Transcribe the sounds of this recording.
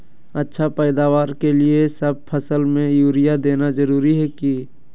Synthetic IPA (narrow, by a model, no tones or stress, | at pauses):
ɐtːʃʰapɛːd̪aːʋaːɾkelɪesɐb̚pʰəsəlmẽjuːɾijad̪eːnazɐɾuːɾiɦɛki